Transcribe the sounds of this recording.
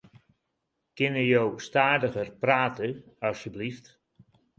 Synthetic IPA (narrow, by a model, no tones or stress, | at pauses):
kɪnəjowstaːdəɣərpraːtə | ɑsjəblift